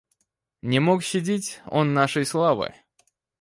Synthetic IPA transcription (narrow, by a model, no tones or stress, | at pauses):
nʲɪmokɕːɪdʲetʲo̰nːaʂəjslˠavɨ̰